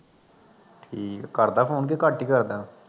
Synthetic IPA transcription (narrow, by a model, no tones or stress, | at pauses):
ʈʰiːkːəɾd̪aːpʰoːnk̬ekaʈːiːkəɾd̪aː